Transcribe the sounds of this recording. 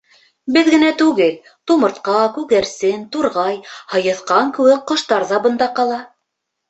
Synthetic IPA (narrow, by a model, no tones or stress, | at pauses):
bɘðɡɘ̆næt̪ʉɡɘl | t̪umɤ̆ɾt̪qɑkʉɣæɾsɘnt̪uɾʁɑjhɤ̆jɤ̆θqɑŋkɘ̆wɘk̚qŏʃt̪ɑɾzɑbɤ̆nd̪ɑqɑlˠɑ